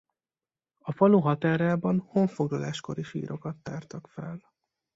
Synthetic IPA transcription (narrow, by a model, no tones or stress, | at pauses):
ɒfɒluɦɒt̪aːɾaːbɒnhoɱfo̞ɡlɒlaːʃko̞ɾiʃḭːɾʔo̞kɒt̪ːaːrt̪ɒkfɛ̰l